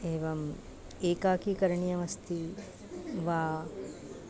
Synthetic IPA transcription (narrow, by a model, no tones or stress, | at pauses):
eːʋɐm | eːkaːkikɐɾɳijɐʋɐst̪i | ʋaː